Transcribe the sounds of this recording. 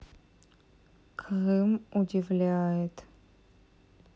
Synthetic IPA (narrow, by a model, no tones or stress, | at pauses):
kʰʁɨmʊdʲɪvlʲæjɪt̪